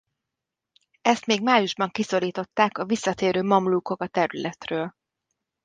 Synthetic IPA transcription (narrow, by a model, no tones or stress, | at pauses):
ɛst̪meːɡmaːjuʒbɒŋkiso̞ɾiːt̪o̞t̪ːaːkɒvisːɒt̪eːɾøːmɒmluko̞kɒt̪ɛɾylɛt̪røːl